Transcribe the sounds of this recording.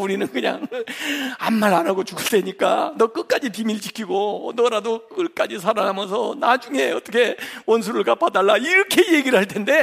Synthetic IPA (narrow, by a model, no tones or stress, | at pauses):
uɾinɯnkɯɲa̰ŋ | amːaɾanaɡot͡ɕuɡɯɭt͈ʰe̞ɲik͈a̰nʌk͈ɯk͈ad͡ʑipimiɭt͡ɕikʰiɡonʌɾadokɯk͈ad͡ʑis̬ʰaɾaŋɦamjʌnsʰʌnad͡ʑuŋe̞ʌt͈ʌkʰe̞wʌns̬ʰuɾɯɭkap͈ʰadaɭːaiɾʌkʰe̞je̞ɡiɾɯɭhaɭtʰe̞nde̞